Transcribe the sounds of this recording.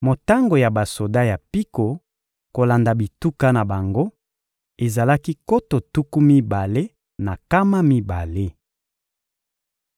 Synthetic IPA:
mo˨ta˦ŋɡo˨ja˨ba˨so˨da˦ja˨pi˦ko˨ | ko˨la˨nda˨bi˨tu˦ka˦na˨ba˨ŋɡo˦ | e˨za˨la˦ki˦ko˦to˨tu˦ku˦mi˦ba˨le˦ | na˨ka˦ma˦mi˦ba˨le˦

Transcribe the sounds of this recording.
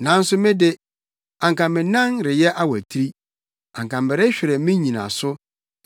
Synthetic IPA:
nã˨˦n̩˦sʊ˦mɪ̃˦dɪ˦ | ã˨ŋkʰã˨mɪ̃˨nã˦nɾɪ˨jɛ˦ʔa˦wæ˨tʰi˦ɾi˦ | ã̰˨ŋkã˨mɪ˨ɾɪ˦ɕᶣɪ˨ɾɛ˨mɪ̃˦ɲĩ˨nã̰˨sʊ˦

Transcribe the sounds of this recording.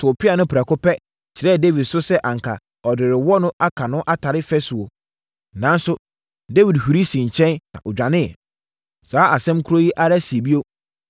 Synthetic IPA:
tʰʊ˨pɪ˦a˨nʊ̃˦pʰɾa˨kʊ˦pɛ˦ | t͡ɕʰɪ˨ɾɛ˦˨de˦wi˨dsʊ˦sɛ˦ʔã˨ŋ̩˨kʰa˨ | ɔ˨dɪ˨ɾɪ˨wɔ˦nʊ̃˦ʔa˦kʰa˨nʊ̃˦ʔa˦tʰa˨ɾɪ˦fɛ˦sʊ˨o˨ | nã˨˦n˦sʊ˦ | de˦wi˨dhu˨ɾi˦sĩ˨ɲ̩˨t͡ɕʰɛ̃˦nnã̰˨ʔɔ˨d͡ʑᶣã˨nɪ̃˦ɛ̰˨ | saː˨˦ʔa˨sɛ̃˦mkʰu˦ɾo˦ji˦ʔa˦ɾa˦si˨e˨bi˦o˦

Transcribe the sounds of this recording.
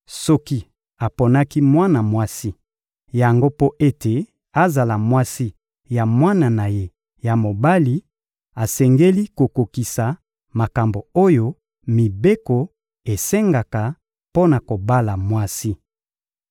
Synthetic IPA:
sɔ˦ki˦ | a˨po˨na˦ki˦mwa˦na˨mwa˦si˦ | ja˨ŋɡo˦po˦ʔe˦te˨ | a˨za˨la˨mwa˦si˦ | ja˨mwa˦na˨na˨je˦ | ja˨mo˨ba˦li˨ | a˨sɛ˨ŋɡe˦li˦ko˨ko˨ki˨sa˨ | ma˨ka˨mbo˨o˦jo˦ | mi˨be˦ko˨ | e˨sɛ˦ŋɡa˨ka˨ | po˦na˨ko˨ba˦la˨mwa˦si˦

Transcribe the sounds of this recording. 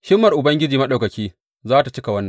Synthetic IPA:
ʃɪ˦mːɐ˨rʔʊ˨bɐ˦ŋɡʲɪ˦d͡ʒiː˨mɐ˦ɗa˨kɐ˨kʲiː˦ | zaː˦ta˨t͡ʃɪ˦ka˨wɐ˦nːɐ˨ŋ

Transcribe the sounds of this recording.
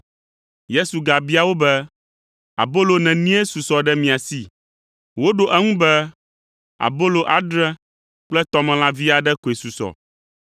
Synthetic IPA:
je˦su˨ɡa˨bi˦a˨wo˦bɛ˦ | a̰˨bo˦lo˨nɛ̃˨nĩ˦e˦su˨sɔ˨ɖɛ˦mĩ˨a˨si˦ | wo˦ɖo˨ʔɛ˦ŋũ˦bɛ˦ | a̰˨bo˦lo˨ʔa˨ɖɾɛ̃˦ | k͡plɛ˦t̪ɔ˦mɛ̃˨lã˦vi˦a˨ɖɛ˦ko˨e˨su˨sɔ̰˨

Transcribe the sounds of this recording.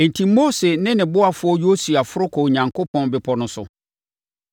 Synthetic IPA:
e˨n̩˨tʰi˨moː˦se˨nɪ̃˦nɪ̃˨bʊ˦a˨fʊ˦ɔ˦jo˦su˨a˨fʊ˦ɾʊ˦kʰɔ˨ɲã˨ŋkʰo˦pʰɔ̃˦nbɪ˨pʰɔ˨nʊ̃˨sʊ˨

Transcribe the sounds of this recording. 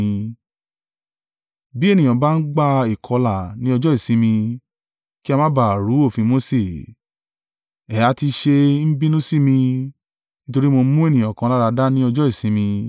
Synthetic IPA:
bi˦e˦˨nĩ˨ɔ̃˨˦ba˦n̩˦ɡ͡ba˦i˨kʰɔ˧la˨nĩ˨˦ɔ˧d͡ʒɔ˦i˦˨sĩ˨˦mĩ˧ | ki˦a˧mã˦ba˨ɾu˨˦o˦˨fĩ˧mo˨˦se˦˨ | ɛ˨ja˨˧˦ti˧ʃe˧n̩˦bi˦nũ˦si˦˨mĩ˧ | nĩ˦to˧ɾi˦mo˧˦mũ˦e˦˨nĩ˨ɔ̃˨kã˧la˦ɾa˧da˦nĩ˦ɔ˧d͡ʒɔ˦i˦˨sĩ˨˦mĩ˧

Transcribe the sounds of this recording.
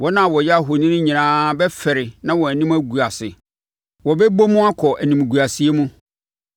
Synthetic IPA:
wɔ˦nã˦˨wɔ˨jɛ˦a˦˨ɦo˨nɪ̃˦nʊ̃˦ɲĩ˨nãː˦bɛ˦fɛ˨ɾɪ˨nã˦wɔ˨æ˨nĩ˦mæ˦ɡu˨a˨sɪ˨ | wɔ˨bɛ˦bo˦mũ˦a˦kʰɔ˨ʔæ˨nĩ˨m˨ɡu˨a˨si˨e˦mũ˦

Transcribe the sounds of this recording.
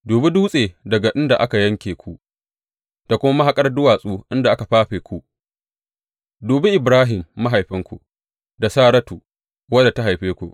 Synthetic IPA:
doː˨be˦duː˦sʼeː˨dɐ˨ɡa˨ʔɪ˦nda˨ʔa˦ka˨jɐ˦ŋkʲeː˨kʷu˦ʔ | da˨kʷʊ˦ma˦ma˦ɦa˨kʼɐ˦rdʊ˦waː˨sʼuː˦ʔɪ˦nda˨ʔa˦ka˨ɸaː˦ɸeː˨kʷu˦ʔ | doː˨bɪ˦ʔɪ˨bɾaː˦ɦɪ˨mːa˦ɦa˨jɸɪ˦ŋkʷṵ˦ | da˨saː˦ɾɐ˦tuː˨ | wɐ˦da˨ta˦ɦa˨jɸeː˦kʷṵ˨ʔ

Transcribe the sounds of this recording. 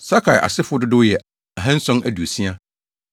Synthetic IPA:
sa˦kʰa˨jʔa̰˨sɪ˦fʊ˦dʊ˦dʊ˦jɛ˨ | a˨ɦɛ̃˦n̩˦sɔ̃˦nʔæ˨du˨o˨sĩ˦a˦

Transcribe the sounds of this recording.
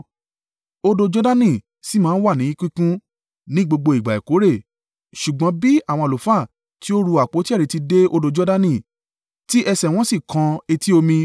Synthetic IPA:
o˧do˧d͡ʒɔ˦da˦nĩ˦˨ | si˨˦mãː˦n̩˦wa˦˨nĩ˨˦kĩ˦kũ˦ | nĩ˦ɡ͡bo˧ɡ͡bo˧i˨ɡ͡ba˨ḛ˨ko˨˦ɾe˦˨ | ʃu˨ɡ͡bɔ̃˨˦bi˦a˦˨w̃ɔ̃˧˨lo˨fa˦˨ | ti˦o˦ɾu˧a˨k͡po˨˦ti˦˨i˨˧˦ti˧de˦o˧do˧d͡ʒɔ˦da˦nĩ˦˨ | ti˦ʔɛ˧sɛ˨w̃ɔ̃˦si˦˨kʰã˧e˧ti˦o˧mĩ˧

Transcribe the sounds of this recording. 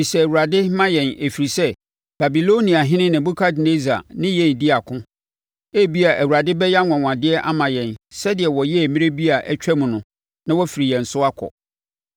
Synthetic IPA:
i˨sɛ˨æ˨wu˨ɾa˨dɪ˦mã˦jɛ̃˨ne˨fi˨ɾi˨sɛ˦ | b̥a˨bi˨lo˦nĩ˨a˨ɦɪ̃˦nɪ̃˦nɪ̃˨bu˦kʰa˦dne˦za̰˨nɪ̃˦jɛ̃˦˨n˨dɪ˦a˨kʰʊ̃˦ | e˦bi˦a˨ʔæ˨wu˨ɾa˨dɪ˦bɛ˦ja˦ŋʷɔ̃˨ŋʷ˨ã˨dɪ˦ɛ˦ʔa˦mã˨jɛ̃˨nsɛ˦dɪ˨ɛ˨wɔ˨jɛ˦˨mĩ˦ɾe˦bi˦a˨ʔæ˦t͡ɕᶣɛ˦mʊ̃˨nʊ̃˨ | nã˦wɔ˦fi˨ɾi˨jɛ̃˨n̩˨sʊ˦a˦kʰɔ̰˨

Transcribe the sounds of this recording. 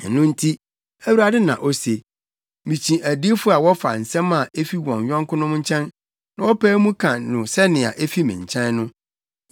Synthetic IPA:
nʊ̃˦n̩˦tʰi˦ | æ˦wu˦ɾa˨dɪ˦nã˨ʔɔ˦se˨ | mĩ˨t͡ɕʰĩ˨ʔæ˨di˦fʊ˦a˨wɔ˦fa̰˨n̩˨sɛ̃˦mã˨e˦fi˦wɔ̃˨n˨ɥᶣɔ̃˦ŋ˦kʰʊ̃˦nʊ̃˦m˦ɲ̩˦t͡ɕʰɛ̃˦n | nã˦wɔ˦pʰæː˦mũ˦kʰã˨nʊ̃˨sɛ˦nɪ̃˨a̰˨ʔe˦fi˦mɪ̰̃˨ɲ˨t͡ɕʰɛ̃˦nnʊ̃˦

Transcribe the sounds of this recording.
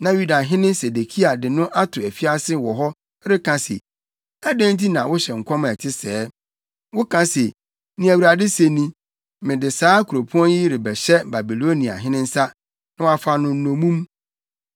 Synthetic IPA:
nã˨ju˦da˨ɦɪ̃˦nɪ̃˦se˨de˨kʰi˦a˨dɪ˨nʊ̃˦ʔa˦tʰʊ˨æ˨fi˦a˦sɪ˦wɔ˨ɦɔ˦ | ɾɪ˦kʰã˨sḛ˨ | æ˦dæ̃˦nt̬i˦nã˨wʊ˦ɕɛ˨ŋ̩˨kʷʰɔ˦m˨æ˨tʰɪ˦sɛː˦ | wʊ˦kʰã˦se˨ | nĩ˨æ˨wu˨ɾa˨dɪ˦se˦nĩ˦ | mɪ̃˨dɪ˨saː˦kʰu˨ɾo˨pʰu˦ɔ̃˦nji˦ɾɪ˨bɛ˨ɕɛ˦ba˨bi˨lo˦nĩ˨a̰˨ɦɪ̃˦nɪ̃˦n̩˦sa˦ | nʊ̃˦wa˦fa˦nʊ̃˦n̩˦nõ˨mũ˦m

